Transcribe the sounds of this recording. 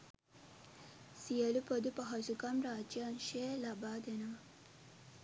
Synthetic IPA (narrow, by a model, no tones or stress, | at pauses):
sijɐlupod̪upɐɦɐsukɐmɾaːd͡ʒjanʃeːlɐbaːd̪enɐ